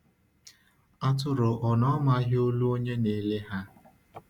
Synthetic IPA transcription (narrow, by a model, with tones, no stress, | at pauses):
a˦tʊ˦ɾʊ˨ʔɔ˨nɔ˦ma˦ɦɪ˦o˦lu˦o˦ɲe˦ne˨le˦ɦa˦